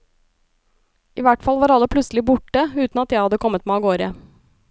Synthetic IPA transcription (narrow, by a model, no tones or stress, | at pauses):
ʔiːʋæʈfɑlʋɑːɾɑlːəpʰlʉtslɪbʊʈəʉːt̪n̩ɑt̪jæɪhɑd̪ːəkʰɔmːət̪mæɑɡoːɾə